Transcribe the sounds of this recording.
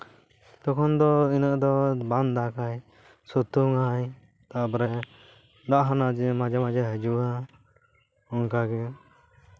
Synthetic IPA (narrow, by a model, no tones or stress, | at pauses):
t̪ɔkʰɔnd̪ɔinaʔd̪ɔband̪akaj | sut̪uŋaj | t̪aʔbɾɛ | d̪aʔɦanad͡ʒɛmad͡ʒamad͡ʒaɦəd͡ʒua | ɔŋkaɡɛ